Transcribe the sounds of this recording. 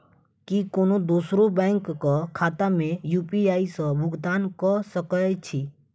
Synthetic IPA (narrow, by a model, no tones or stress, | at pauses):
kikoːnod̪oːsɾobɛ̃ːŋkːɔkʰaːt̪amẽjuːpiaːisə̃bʱʊɡd̪aːnkɔsəkət͡ʃʰi